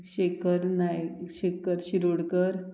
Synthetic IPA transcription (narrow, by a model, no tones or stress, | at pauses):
ɕekəɾnajɕekːəɾɕiɾuɽkəɾ